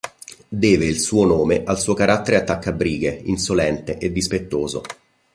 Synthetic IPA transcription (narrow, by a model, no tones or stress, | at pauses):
d̪ɛːveilsuːonoːmeʔalsuːokaɾʔat̪ːeɾeat̪ːakːabɾiːɡeinsolɛnt̪eʔed̪ːispet̪ːoːzo̰